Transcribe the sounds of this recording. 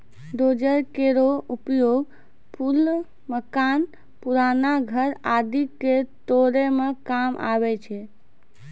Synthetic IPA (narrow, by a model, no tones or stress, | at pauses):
ɖod͡ʒəɾkeɾoupjoɡ | pʰul | məkan | puɾanaɡʱəɾad̪ʱikːet̪oɾemekamʔa̰bɛt͡ʃʰɛ